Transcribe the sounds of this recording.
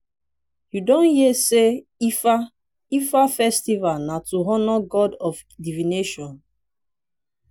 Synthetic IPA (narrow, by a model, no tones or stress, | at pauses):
judõnhiɛseifa | ifafɛstivalnatuɦɔnɔɡɔdɔf | divineʃɔ̃n